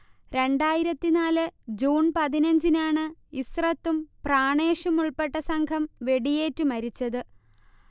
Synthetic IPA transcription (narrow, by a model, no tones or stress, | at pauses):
ɾe̞ɳɖaːjiɾɐt̪ːinaːlɨd͡ʑuːnpɐðinɐɲd͡ʑinaːɳɨisrɐt̪ːumpraːɳe̞ːʂɐmuɭpe̞ʈːɐsɐŋkʰɐmʋe̞ɽije̞ːtːɨmɐɾit͡ɕːɐðɨ